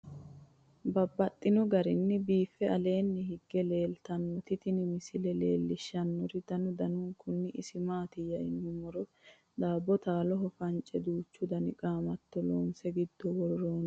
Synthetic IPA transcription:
bɐbːɐt̪ʼːɪnɔɡɐɾɪnːɪbiːfːɛɐle̞ːnːɪɦɪɡːɛle̞ːlt̪ɐnːɔt̪ɪt̪ɪnɪmɪsɪlɛle̞̰ːlːɪʃːɐnːɔɾɪd̪̥ɐnʊd̪ɐnʊŋkʊnːɪʔɪsɪmaːt̪ɪjɐɪnːɪmɔɾɔ | d̪aːbːɔt̪aːlɔɦɔfɐnt͡ʃʼɛd̪uːt͡ʃːʊd̪ɐnɪkʼaːmɐt̪ːɔlo̰ːmsɛɡɪd̪ːɔwɔɾɾoːn

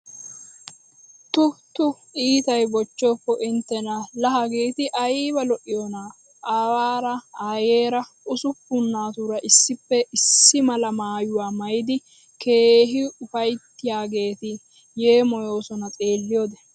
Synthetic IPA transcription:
t̪ʊt̪ʊ | iːt̪ɐjbɔt͡ʃːɔːpːɔʔɪnt̪ːɛnɐlɐɦɐɡeːt̪ɪʔɐjiːbɐlɔʔɪjoːnaː | ʔaːwaːɾɐaːjeːɾɐʔʊsʊpːʊnːaːt̪uɾɐʔɪsːɪpːɛʔɪsːɪmɐlɐmaːjʊwaːmɐjɪd̪ɪ | ke̞ːɦɪʊfɐjt̪ːɪjaːɡe̞ːt̪ɪ | jeːmɔjo̞ːsɔnɐt͡sʼe̞ːlːɪjoːd̪ɛ

